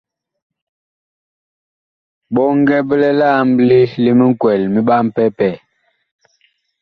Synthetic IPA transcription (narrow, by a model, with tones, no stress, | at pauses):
ɓɔ˦ŋ˦ɡɛ˦bə˦lɛ˦la˦˨m˦bli˦li˦mi˦ŋ˦kwɛ˨lmi˦ɓa˦m˦pɛ˦pɛ˦˨